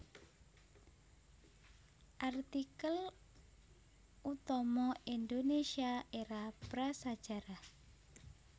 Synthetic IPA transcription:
ʔart̪ikəl | ut̪ɔmɔind̪onesiaʔeɾapɾasad̥ʒ̥a̤ɾa

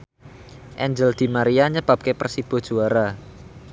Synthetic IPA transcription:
ʔɛɲd͡ʒəld̪̥i̤maɾiaɲəb̥ap̚kepərsib̥o̤̥d͡ʒ̥oaɾa

